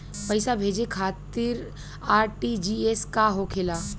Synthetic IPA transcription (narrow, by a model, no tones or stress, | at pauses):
pɐɪsabʱeːd͡ʒekʰaːt̪ɪɾ | aːɾʈid͡ʒiːeskaɦokʰɪlaː